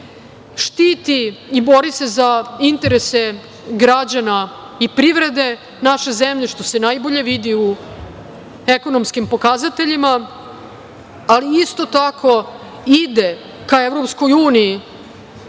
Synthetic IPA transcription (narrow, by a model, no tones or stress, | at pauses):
ʃt̪it̪iibo̞ɾise̞zaint̪eɾe̞se̞ | ɡɾad͡ʑana | ipɾiʋɾe̞d̪e̞ | naʃe̞zemʎe̞ʃt̪o̞se̞najbo̞ʎe̞ʋid̪iu | eko̞nomskimpo̞kazat̪e̞ʎima | aliist̪o̞t̪akʰo̞ | id̪e̞ | kaevɾo̞psko̞juːniji